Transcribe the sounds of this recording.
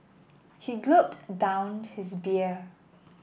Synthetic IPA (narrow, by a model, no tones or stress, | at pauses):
hiɡlup̚tdãʊ̃nhɪsbi